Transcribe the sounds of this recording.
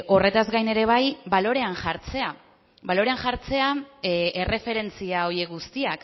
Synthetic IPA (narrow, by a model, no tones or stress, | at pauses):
ʔo̞re̞t̪azɡajne̞ɾe̞β̞ajbalo̞ɾe̞anʝaɾt͡se̞a | balo̞ɾe̞anʝaɾt͡se̞ae̞re̞fe̞ɾe̞nt͡siao̞je̞kɡust̪iak